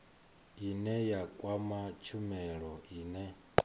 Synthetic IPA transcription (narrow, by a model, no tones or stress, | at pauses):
inɛjakʼwamat͡ʃʰumɛɺɔiːnɛ